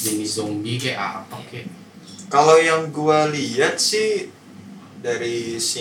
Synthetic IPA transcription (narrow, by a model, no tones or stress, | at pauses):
d͡ʒənizombikeʔa̰pake | kalojaŋɡualiat̪̚sɪh | daɾisi